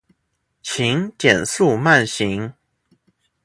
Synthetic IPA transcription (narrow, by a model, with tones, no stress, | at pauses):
t͡ɕʰi˧˦ŋt͡ɕjɛ˨˩nsu˥˨ma˥˨nɕi˨˦ŋ